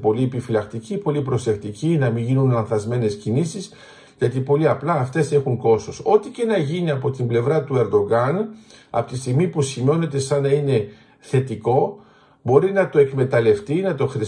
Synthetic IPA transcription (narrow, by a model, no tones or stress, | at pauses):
po̞liepifilɐkt̪icipo̞lipɾo̞se̞kt̪icinɐmiɲʝinunlɐnθɐzme̞ne̞scinisis | ʝɐt̪ipo̞liɐplɐːft̪e̞se̞xuŋko̞so̞so̞t̪ice̞nɐʝiniɐpo̞t̪imble̞vɾɐt̪ue̞ɾd̪o̞ɣɐnɐ̰po̥t̪ist̪iɣmipusimio̞net̪e̞sɐnɐine̞ | θe̞t̪iko̞ | bo̞ɾinɐt̪o̞e̞kme̞t̪ɐle̞ft̪inɐt̪o̞xɾi